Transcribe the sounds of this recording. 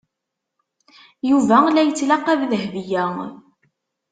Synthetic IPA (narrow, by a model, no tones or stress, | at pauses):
juvælæjət͡sːlɑqæððəɦvijæ